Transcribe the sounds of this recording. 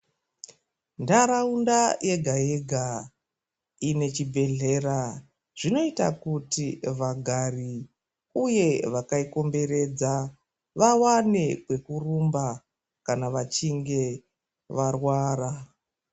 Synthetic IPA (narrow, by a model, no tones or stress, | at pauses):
ndaɾaundajʔe̞ɡʱajeɡʱa | ine̞t͡ʃibʱe̞ɮe̞ra | ʐ̥ino̞ita̰kutiʋaɡʱari | uje̞ʋakaiko̞mbe̞ɾe̞d͡za | ʋawane̞kwe̞kurumba | kanaʋat͡ʃiŋɡe̞ | ʋarwaːra